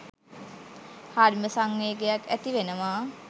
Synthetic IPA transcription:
haɾməsaŋːeːɡejakæt̪iʋenəmaː

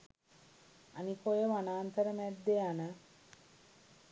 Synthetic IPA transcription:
anikojəʋanaːnt̪əɾəmɛd̪ːeanə

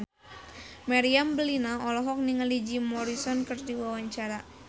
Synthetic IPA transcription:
maɾiambəlinaɔlɔɦɔk̚niŋalid͡ʒimɔɾisɔnkərdiwawaɲt͡ʃaɾa

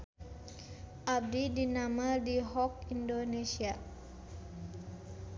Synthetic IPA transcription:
ʔab̚didinamadiɦɔkindonesia

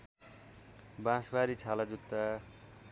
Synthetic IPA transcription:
bãsbaɾit͡sʰalad͡zut̪ːa

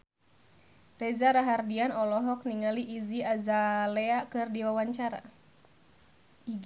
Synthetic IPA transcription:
rɛzaɾaɦardianɔlɔɦɔk̚niŋaliʔːziazalɛakɨrdiwawaɲt͡ʃaɾa̰ | iɡ

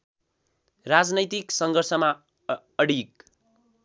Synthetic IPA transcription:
rad͡znʌjt̪iksʌŋɡʱʌrsʌma | ʌɽik

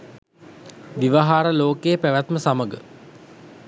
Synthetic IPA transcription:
ʋiʋaɦaːɾəloːkejːpæʋæt̪məsaməɡə̰

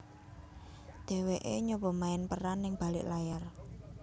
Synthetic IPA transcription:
d̪̥ɛ̤weʔeɲobɔmaɪnpəɾanːɪŋb̥a̤lɪʔlajar

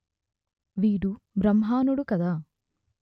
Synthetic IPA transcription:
ʋiːɖu | bɾɐmɦaːnuɽukɐd̪a

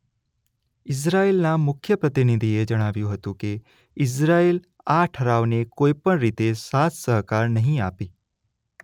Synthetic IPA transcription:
ɪs̬ɾaelnamʊkʰjəpɾət̪inid̪ʱied͡ʒəɽ̃aʋjũɦət̪ũke | ɪs̬ɾael | aʈʰəɾaʋnekoipəɳɾit̪esat̪ʰsəɦkaɾnəɦĩapi

